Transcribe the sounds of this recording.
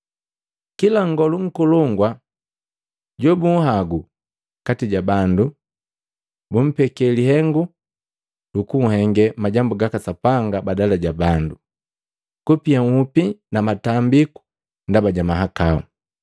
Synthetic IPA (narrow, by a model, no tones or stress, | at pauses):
kilaŋɡɔluŋ̩kulɔŋɡwa | ɟɔbuŋ̩ɦaɡu | katiɟabandu | bum̩pɛkɛlihɛŋɡu | lukuŋ̩hɛŋɡɛmaɟambuɡakasapaŋɡabadalaɟabandu | kupiaŋupinamatambiku̥ | ndabaɟamaɦakaṵ